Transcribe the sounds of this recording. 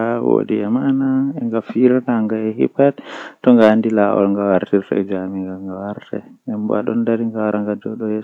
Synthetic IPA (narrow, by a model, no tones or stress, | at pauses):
awo̰diɛmanaɛŋɡafiɾanaŋɡaɛhḭpattɔŋɡaandilaʔɔ̰lŋɡawaɾtiɾtɔ̰ɛ̰d͡ʒamiŋɡalŋɡawaɾtɛ̰ɛmba̰ɗɔ̰ndaɾiŋɡawaɾaŋɡadɔɗɔjɛ